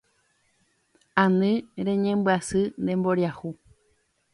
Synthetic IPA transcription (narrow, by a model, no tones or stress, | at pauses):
ãnɨ̃ɾẽɲẽmbɨasɨnd̪emboɾjahu